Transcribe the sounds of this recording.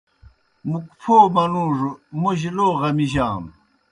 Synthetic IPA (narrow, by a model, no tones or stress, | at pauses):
mukpʰoːmɐnuːʐmuʑ̬loːʁɐmiɕa̰ːm